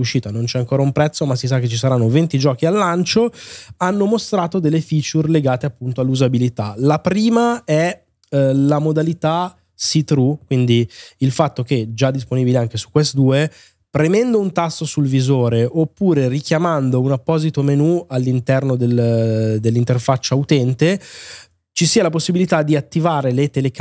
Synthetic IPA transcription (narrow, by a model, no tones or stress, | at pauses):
uʃiːt̪anõnt͡ʃɛaŋkoːɾaumpɾɛt̪sːomasis̬akːet͡ʃːisaɾanːovent̪id͡ʒɔːkialːant͡ʃoanːomost̪ɾaːt̪od̪elːefit͡ʃurleɡaːt̪eapːunt̪oalːuzabilit̪alapɾiːmaɛ | lamod̪alit̪a | sit̪ɾukwind̪iilfat̪ːok̟ed͡ʒad̪ːisponibileaŋk̟esu̥kːwest̪d̪uːe | pɾemɛnd̪ount̪asːosulvizoːɾeʔopːuːɾerik̟jamand̪ounapːɔːzit̪omenualːint̪ɛrnod̪eld̪elːint̪erfat͡ʃːaut̪ɛnt̪e | t͡ʃisiːalaposːibilit̪ad̪iat̪ːivaːɾelet̪elek